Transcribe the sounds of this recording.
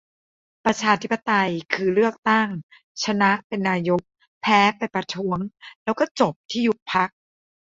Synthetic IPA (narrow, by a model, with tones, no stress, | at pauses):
pɾa˧t͡ɕʰaː˧t̪ʰi˦˥pːa˧t̪a˧jkʰɯː˧ɾɯ˥˩ək̚t̪a˥˩ŋ | t͡ɕʰa˧na˦˥ʔpe˧nːaː˧jo˦˥k̚ | pʰɛː˦˥pa˧jpɾa˧t̪ʰu˦˥əŋlɛː˦˥wkɔː˥˩t͡ɕo˨˩p̚t̪ʰiː˥˩ju˦˥t̚pʰa˦˥k̚